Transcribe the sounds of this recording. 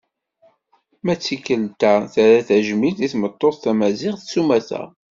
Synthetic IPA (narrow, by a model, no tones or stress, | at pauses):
mæt͡sːikːəlt̪æθæɾæθæʒmilt̪iθmət̪ˤːoθθæmæzɪʁθsumæθæ̰